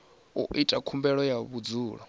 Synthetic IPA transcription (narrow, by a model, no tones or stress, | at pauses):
ṵʔitʼakʰumbɛɺɔjaβud͡zuːɺɔ